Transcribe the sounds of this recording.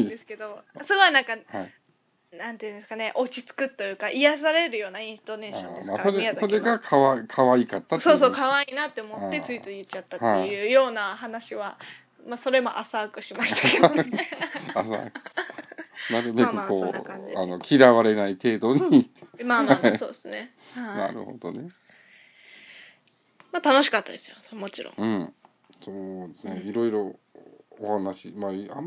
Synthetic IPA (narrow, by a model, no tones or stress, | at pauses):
d̪esɨ̥ke̞d̪o̞asokoβanãŋkahai | nãnt̪ojɯ̟̃nd̪e̞sɨ̥kane̞ʔo̞t͡ɕit͡sɨ̥kɯ̟t̪ːo̞jɯ̟ːkaʔijas̬aɾe̞ɾɯ̟jo̞ːnaĩst̪o̞ne̞ːɕõnemasoɾeso̞ɾe̞ɡakʰaβakʰaβaikat̪ːaso̞ːso̞ːkaβainat̪ːe̞omo̞t̪ːe̞t͡sɨit͡sɨjɯt͡ɕat̪ːahaejɯ̟ːjo̞ːnahanaɕiβa | maːso̞ɾe̞mo̞̰ʔasaːkɯ̟ɕimaɕit̪ake | asa̰kɯ̥ | naɾɯmekɯkko̞ːaano̞kʲʰiɾaβaɾe̞nait̪e̞ːd̪o̞ɲ̟imaaisoːd̪esɨne | hana̰ɾɯ̟̰ho̞̰d̪o̞̰ne̞ | mat̪ano̞ɕi̥kat̪ːad̪e̞sɨ̥josmo̞t͡ɕiɾõ̰ŋɯ̃ɴ | soːd̪esneiɾo̞iɾo̞ː | hanaɕimaa